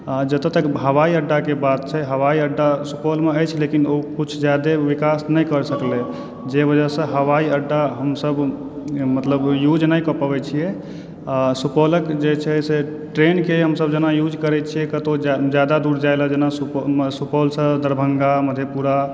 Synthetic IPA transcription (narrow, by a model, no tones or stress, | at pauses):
ad͡ʒət̪ət̪əkɦəwaiəɖːakebad̪̚t͡ʃʰɛɦəʋaiəɖːasupɔlmeəjt͡ʃʰlekinokut͡ʃʰd͡ʒjad̪eʋikasnəjkəɾsəkle | d͡ʒebəd͡ʒəsə̃ɦəwaiəɖːaɦəmsəb | mət̪ləbjud͡ʒnəjkəpəbɛt͡ʃʰijɛ | asupɔləkd͡ʒet͡ʃʰɛɦse | ʈɾenkeɦəmsəbd͡ʒənajud͡ʒkəɾɛt͡ʃʰijɛkət̪od͡ʒjad̪ad̪uɾd͡ʒaeləd͡ʒenasusupɔlsə̃d̪əɾbʱəŋɡaməd̪ʱjepuɾa